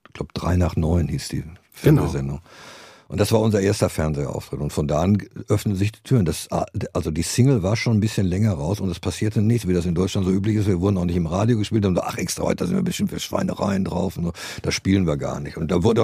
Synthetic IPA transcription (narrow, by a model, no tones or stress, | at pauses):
ɡ̥laʊbəd̥ʁa̰ɪnaːχnɔʏnhiːsd̥ḭː | fɛɐnzezɛndʊŋʔʊnt̚d̥asv̥aːɐʊnzɐʔeːɐstɐfɛɐnzeʔa̰ʊftʁ̥ɪtʊntfɔndaːanʔœfnənzɪçd̥iːtʰyːʁəndasaʔalzodiːsɪŋl̩vaːɐʃoːnbɪsçənlɛŋɐʁaʊsʊntdaspʰasiːɐtʰənɪçtviːdasɪndɔʏt͡ʃlantz̥oːʔyːp̬lɪçɪstviːɐvʊɐdn̩aʊxnɪçtɪmʁaːdjoɡəʃpiːltanzʔa̰χʔɛkstʁ̥a̰hɔ̰tdaːzɪntviɐbɪstɪmtfiːɐʃv̥a̰ɪnə̰ʁa̰ɪndʁa̰ʊfʊntz̥oː | d̥asʃpiːlənviːɐɡa̰ːɐnɪçtʊntd̥aːvʊɐdə